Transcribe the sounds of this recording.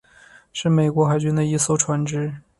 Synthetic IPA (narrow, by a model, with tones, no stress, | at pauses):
ʂɻ̩˥˩me˨˩ɪkwɔ˧˥xa˧˥ɪt͡ɕy˥nd̪ə˧i˥so˥ʊʈ͡ʂʰwa˧˥nʈ͡ʂɻ̩˥